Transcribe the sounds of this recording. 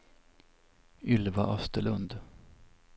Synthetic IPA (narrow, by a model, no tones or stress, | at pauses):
ʏlvaʔœst̪əɭɵnd̪